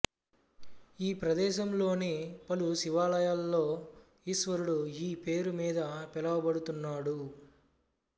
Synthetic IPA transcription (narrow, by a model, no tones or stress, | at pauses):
iːpɾɐd̪ɛːʃɐmlo̞ːneːpɐlusiʋaːlɐjaːlːo̞ː | iːsʋɐɾuɽuiːpe̞ːɾumiːd̪ɐpɛlɐwɐbɐɽut̪unːaːɽu